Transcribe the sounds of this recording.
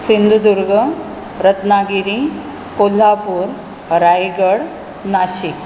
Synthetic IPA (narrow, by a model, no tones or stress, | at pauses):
sind̪ʱud̪uɾɡə | ɾət̪naɡiɾĩ | kol̤ːapuːɾ | ɾajɡəɽ | naɕik